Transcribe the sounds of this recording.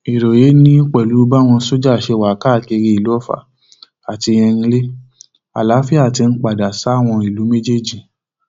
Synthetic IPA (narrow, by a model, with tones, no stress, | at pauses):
i˨ɾo˨je˨˦nĩ˦i˦k͡pɛ˨lu˨˦ba˦w̃ɔ̃˧so˦d͡ʒa˦˨ʃe˧wa˨˦ka˦˨ke˧ɾi˧˦i˨lu˦ɔ˦˨fa̰˨ | a˨ti˧j̃ɛ̃˧ĩ˧le˦ | a̰˨la˨˦fi˦a˦˨ti˧n̩˦k͡pa˨da˨sa˨˦˨w̃ɔ̃˧i˨lu˨˦me˦d͡ʒe˦˨d͡ʒĩ˨